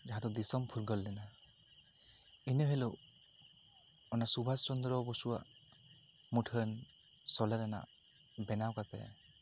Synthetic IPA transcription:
d͡ʒaɦat̪ɔd̪isɔmpʰuɾɡɔlːɛna | inəɦelɔ | ɔnasubʱast͡ʃɔnd̪ɾɔbɔsuwa̰ | mutʰənsɔlɛɾɛna̰bɛnawkapɛ̰

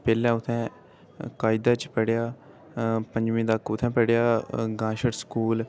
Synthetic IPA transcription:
peːlɛ̃ːʊt̪ʰːɛ̃ː | kaːid̪aːt͡ʃpəɽejaː | pə̃ɲd͡ʒʋĩːd̪akʊt̪ʰːɛ̃ːpəɽjaːɡãːʃəɽskuːl

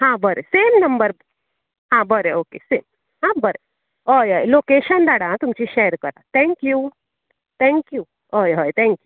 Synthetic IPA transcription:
ɦãbəɾeseːmnɐmbəɾ | ɦãbəɾeoːkeseːm | ɦãbəɾe | ojɔːjlokeʃənd̪aɽãt̪umt͡ɕiʃeːɾkəɾa̰t̪ʰɛ̃ŋkju | t̪ʰɛ̃ŋkju | ojɦɔjt̪ʰɛ̃ŋkju

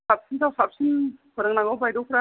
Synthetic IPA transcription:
sap̚sint̪ʰawsap̚sinpɯɾɯŋnaŋawbajdɔkʰɾa

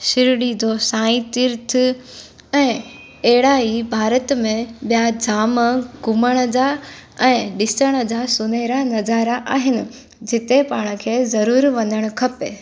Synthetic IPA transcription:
ʃɪɾɽid͡ʑosãːĩt̪ɪɾt̪ʰɪ | ɛ̃ː | eɦɪɽaːibʱaːɾət̪mẽɓijad͡ʑaːmɡʊməɽ̃ə̆d͡ʑaɛ̃ːɗɪsəɽ̃ə̆d͡ʑaːsʊneɾanɐzaːɾaʔaːɦɪnɪ̆ | d͡ʑɪt̪epaːɽ̃ə̆kʰeːzɐɾuːɾʋɐ̃nd̪əɽ̃ʊ̆kʰɐpe

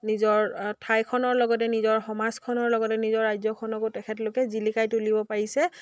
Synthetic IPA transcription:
nizɔɹtʰajkʰɔnɔɹlɔɡɔt̬ɛnizɔɹxɔmaskʰɔnɔɹlɔɡɔtɛnizɔɹːajzɔkʰɔnɔkotɛkʰɛtlokɛzilikajtulibɔpaɹisɛ

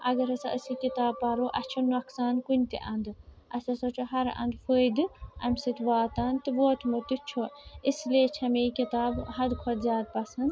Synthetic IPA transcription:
ʔɐɡɐɾɐsɐʔəsikit̪aːbpɐɾoʔɐt͡ʃʰunuɐksaːnkunʲt̪ḭʔɐnd̪ɨ | ɐsɐsɐt͡ʃʰoɦɐɾɐ̰nd̪fəːd̪ɨɐ̰mʲsɐt̪ʲʋaːt̪aːnt̪ɨʋoːt̪mut̪ɨt͡ʃʰoisleːt͡ʃʰɐmekit̪aːbɦɐd̪kʰɐd̪zjaːd̪̚pɐsɐnd̪

